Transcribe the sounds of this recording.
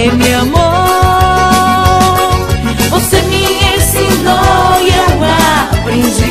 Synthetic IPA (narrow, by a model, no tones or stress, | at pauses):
ɛmeɐmo | vosemiẽsid̪ojẽapɾĩʒi